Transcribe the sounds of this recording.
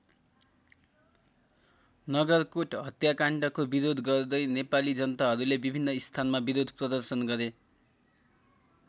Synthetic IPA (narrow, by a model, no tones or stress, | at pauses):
nʌɡʌrkoʈɦʌt̪jakaɳʈʌkobiɾod̪ʱɡʌrd̪ʌjnepalid͡zʌnʌt̪aɦʌɾulebibʱinːʌist̪ʰanmabiɾod̪ʱprʌd̪ʌrsʌnɡʌɾe